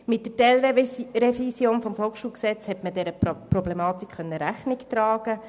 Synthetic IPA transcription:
mɪt̚dətɛlɾrefisjoːnfɔmfɔlˠkχʃuːlksɛt͡shɛtmədɛɾəpɾɔblemɑːt̪ikχœnːəɾæχnɪkt̪ɾɑːɡ̥ə

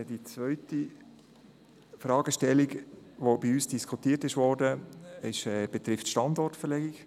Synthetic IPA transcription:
dit͡svœʏti | fɾɑːɡəʃtɛlːiɡʋobiyːsd̥iskʰutiːərtɪʃʋɔːɾdəɪʃɛːb̥ɛt̪ɾɪftʃtɑndɔrtfɛɾlɛɡiɡ

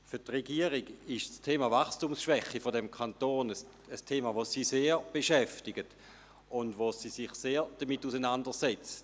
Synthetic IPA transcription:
fʏɐtʁeɡiəʁiɡɪʃstʰeːmavaχstumsʃʋɛχːifodɛmkʰantoːnəs | əstʰeːmaʋosiseːʁb̥eʃɛftɪɡət | ʊndʋosiːsɪχseːɹd̥əmitːusənandəʁsɛt͡sət

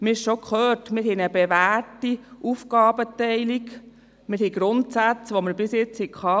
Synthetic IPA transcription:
mɪɪʃʃokχœːtmɪɾɦɛnəbeʋæːɹtiʔufkɑːbətɛɪlik | mɪɾhiɡɾʊntsæt͡sʋoməɾbɪsjɪt͡shɛkʰχɑː

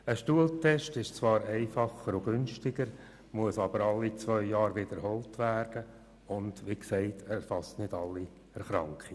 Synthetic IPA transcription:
əʃtuəltʰɛʃtɪʃt͡svɑːɾɛɪfɑχəɾʊɡʏnʃtɪɡəɾ | muəsɑbəɾɑlːit͡svœʏjɑːɾʋɪd̪əɾhɔltʋæːrd̥ə | ʊnd̥ʋiksɛɪtʰɛfɑstnɪd̥ɑlːi | ɛɾχɾɑŋkχi

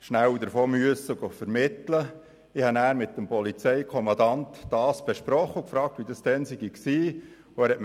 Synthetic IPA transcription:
ʃnæwd̪əɾfɔːmyəsəʊɡɔfəɾmɪt̪lə | ɪhɑnæːɾmɪt̪̚ːəmpɔlit͡sɛjkʰɔmɑnd̪ɑnt̪d̥ɑːsb̥ɛʃpɾɔχːəukfɾɑːk̚t̪ʋidɑsd̥ɛnsɪɡiksiː | ʊæɾhɛtm

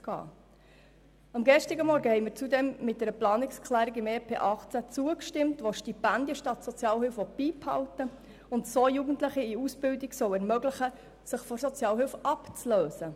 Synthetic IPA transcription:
ɡ̥ɑ̰ː | ɑmɡɛʃtɪɡəmɔɾɡəhɛɪmɪːɾt͡sudɛmːɪt̚d̥ɛɾəplɑːnɪkskʰχlæːɾikimeːpʰḛːʔɑχt͡sæt͡suəkʃtɪmtʋoʃtipænd̥jəʃtɑtsɔt͡sjɑːlhʏlfʋɔb̥iːphɑ̰ʊtə | ʊntsoːjuːɡəntləχiiusb̥ɪldiɡsɔwɛɾmœɡləχə | sɪχfɔsɔt͡sjɑːlɦʏlfʔɑpt͡sløːzə

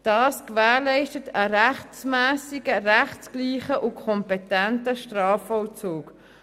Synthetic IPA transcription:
d̥ɑːskvæːʁlɛɪʃtətəɾæχt͡smæːsiɡəʁæχskliːχəʔʊkʰɔmpɛtɛntəʃtrɑːfɔlt͡suːk

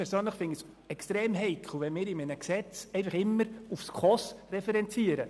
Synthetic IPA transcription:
ɛɾsøːnləχfɪns | ɛkstɾɛːmɦɛɪkʰl̩ʋɛnmɪːɾɪminəksɛt͡sɛɪnfɑχɪmːəɾufskʰɔsrɛfɛɾɛnt͡siəɾə

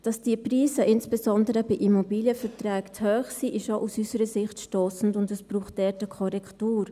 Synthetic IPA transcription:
d̥ɑsd̥iəpriːsəʔɪnsb̥ɛzɔndəɾəbiʔimobiːljəfɛɾtrɛːkt͡shøːχsiːʔɪʃoʔusysəɾəsɪχtʃtoːsn̩dʊndəsb̥ɾuːχt̚dɛtəkʰɔɾɛktuːɾ

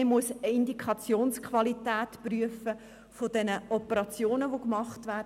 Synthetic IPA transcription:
emuəsɪndikʰχɑt͡sjoːnskʰχʋɑlitæːtpryəfə | fod̥ɛnəʔɔpəɾɑt͡sjoːnəʋokmɑχtʋæː

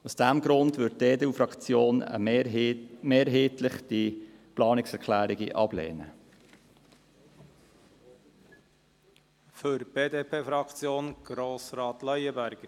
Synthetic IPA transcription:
usd̥æmɡɾʊndʋʏtdeːdeːufɾɑkt͡sjoːnə̰ | meːɾɦeːt̪lɪχd̥iplɑːnɪksɛɾkʰlæːɾiɡḭʔɑb̥lḛːnə̰ | føɾb̥eːd̪eːpʰeːfɾɑkt͡sjoːnɡ̥ɾoːsɾɑːt̪lœjəbæɾɡ̥

